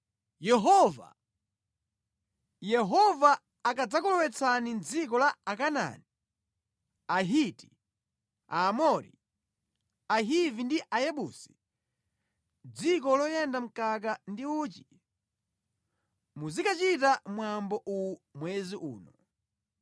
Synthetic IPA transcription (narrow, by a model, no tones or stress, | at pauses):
jɛɦɔva̰ | jɛɦɔvaː | kad͡zakɔlɔwɛt͡sʰanind͡zik̬ɔlaakana̰ni | aɦiti | aːmɔɾḭ | aɦivindiʔajɛɓuːsi̥ | d͡zikɔlɔjɛndam̩kak̬andiuːt͡ʃi̥ | muzikat͡ʃitamwambɔʔumwɛziʔṵːnɔ